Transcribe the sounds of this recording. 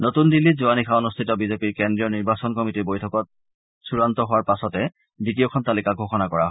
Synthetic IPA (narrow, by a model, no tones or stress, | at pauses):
notundilːitzuanikʰaonustʰitɔbizepiɹkɛndɹijɔniɹbasɔnkɔmitiɹbojtʰɔkɔt̚ | suɹantɔɦʊwaɹpasɔtɛ | bitiɔkʰɔntalikaɡʱoxɔnakɔɹa̰ɦ